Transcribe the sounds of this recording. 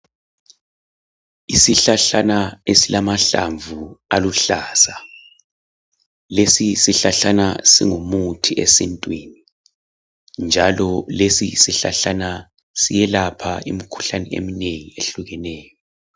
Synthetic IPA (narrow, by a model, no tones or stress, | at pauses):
isiɬaɬanaesilamaɬaɱvualuɬaːsa | lesisiɬaɬanasḭŋumutʰiesḭntʼwini | nd͡ʒʱalɔlesisiɬa̰ɬana | sijɛlapʰaḭmikʰu̥ɬanɛḛmineŋieɬuɣɛnɛːjɔ